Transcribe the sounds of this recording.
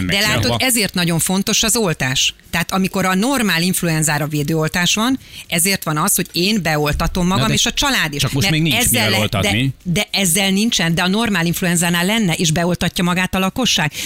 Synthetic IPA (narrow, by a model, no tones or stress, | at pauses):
dd̪ɛlaːt̪oɛzeːrt̪nɒɟo̞ɱfo̞n̪t̪o̞ʃɒzo̞lt̪aːʃt̪ɛɦat̪ɒmiko̞ɾɒno̞rmaːliɱfluɛnzaːɾɒveːd̪øːo̞lt̪aːʃʋɒnɛzeːrt̪ʋɒnɒsho̞ɟeːnbɛo̞lt̪ɒt̪o̞mːɒɡɒmeːʃɒt͡ʃɒlaːd̪iʃt͡ʃɒmomɛmeiɛzːɛllt̪d̪ɛid̪ɛʔɛzːɛlnint͡ʃɛnd̪ɛɒno̞rmaːliɱfluɛnzaːnaːlːɛnːɛʔeːʒbɛo̞lt̪ɒcːɒmɒɡaːt̪ɒlɒko̞ʃːaːɡ